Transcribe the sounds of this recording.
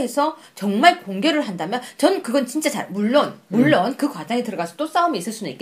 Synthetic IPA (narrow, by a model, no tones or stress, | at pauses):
e̞sʰʌ | t͡ɕʌŋmaɭkoŋɡjʌɾɯɭɦandamjʌnt͡ɕʌnkɯɡʌnt͡ɕint͡ɕ͈at͡ɕa̰ɭmuɭːonmuɭːonkɯkwad͡ʑaŋetɯɾʌɡasʰʌt͈os͈aumiːs͈ɯɭs͈ʰunɯnik͈e